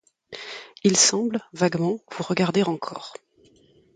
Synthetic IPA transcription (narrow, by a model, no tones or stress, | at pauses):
ilsɑ̃blvaɡmɑ̃v̥uʁəɡaʁd̪eʁɑ̃kʰɔːʁ